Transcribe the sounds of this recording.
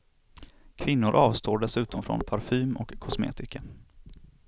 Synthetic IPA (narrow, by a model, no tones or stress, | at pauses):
kʰvɪnːʊɾʔɑːvst̪ʰoːɖɛsʉ̟ːt̪ɔmfɾɔ̰npʰaɾfyːmɔ̰kʰːʊsmḛːt̪ɪkʰa